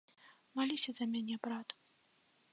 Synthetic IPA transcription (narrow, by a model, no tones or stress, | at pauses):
malʲisʲɐzɐmʲanʲɛbɾat̪